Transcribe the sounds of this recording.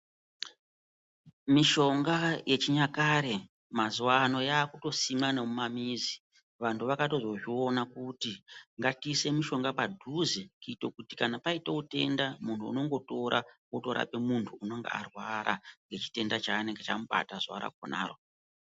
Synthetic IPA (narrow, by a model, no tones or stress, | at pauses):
miʃo̞ŋɡaje̞t͡ʃiɲakaɾe | mazuwano̞jaːkuto̞simanamumamiːzi | ʋantʰuʋakato̞zo̞ʐio̞nakutiŋɡatise̞miʃo̞ŋɡapadʱuzekuitokutikanapaiteute̞ndamuntʰṵːno̞ŋɡo̞to̞ɾʔa̰woto̞ɾa̰pe̞muntʰuːno̞ŋɡḛa̰rwaɾʔa̰ŋɡe̞t͡ʃi̥te̞ndat͡ʃaːne̞ŋɡet͡ʃamuɓa̰tazua̰ɾa̰ko̰na̰ːro̞̰